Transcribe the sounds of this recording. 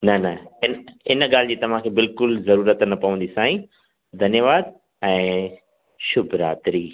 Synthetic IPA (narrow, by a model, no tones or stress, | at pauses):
nɐnɐɪnɪnɠaːl̤d͡ʑiːt̪ɐʋ̤ãkʰeːbɪlkʊlzɐɾuːɾət̪nɐpɐʋə̃nd̪isãːĩ | d̪ʱɐnjəʋaːd̪̚ | ɛ̃ː | ʃʊbʱɾa̰ːt̪ɾiː